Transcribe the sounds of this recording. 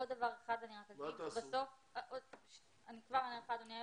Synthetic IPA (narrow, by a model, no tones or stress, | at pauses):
od̪dːavaʁeχad̪aniʁakabaso̞f | ʔoʃ | anikvaʁanieχad̪onia